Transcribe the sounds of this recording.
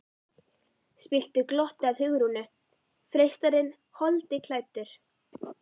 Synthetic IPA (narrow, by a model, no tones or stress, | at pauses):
spɪl̥t̪ʏklɔht̪aðhʏɣɾunʏ | fɾejst̪aɾɪn | hɔlt̪ɪkʰlaːjt̪ʏɾ̥